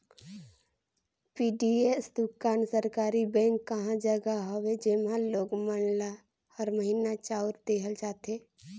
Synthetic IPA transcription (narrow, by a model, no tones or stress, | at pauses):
piːɖiesd̪ʊkaːnsəɾkaːɾibɛ̃ːŋkːəɦãd͡ʒəɡaɦowed͡ʒemãloːɡmənla | həɾməɦiːnat͡ʃaːʊɾd̪eːɦəlt͡ʃaːt̪eː